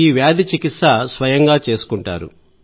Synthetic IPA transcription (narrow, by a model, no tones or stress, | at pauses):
iːʋjaːd̪it͡ʃikit̪sɐsʋɐjɐŋɡaːt͡ʃe̞ːsu̥kuɳʈa̰ːɾṵ